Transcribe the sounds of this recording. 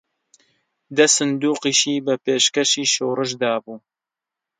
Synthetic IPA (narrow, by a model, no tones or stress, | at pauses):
d̪ɐsɨnd̪uːqiːʃiːbɐpeːʃkɐʃiːʃoːrɨʃd̪aːbuː